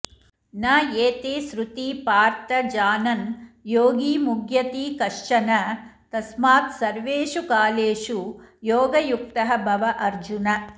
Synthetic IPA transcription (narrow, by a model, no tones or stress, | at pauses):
naːjeːt̪eːsɾut̪iːpaːɾt̪ɐd͡ʒaːnɐnjoːɡiːmuɡjɐt̪iːkɐʂt͡ʃɐnɐt̪ɐsmaːt̪sɐɾʋeːʂukaːleːʂujoːɡɐjuk̚t̪ɐɦɐbʱɐʋɐʔɐɾd͡ʒunɐ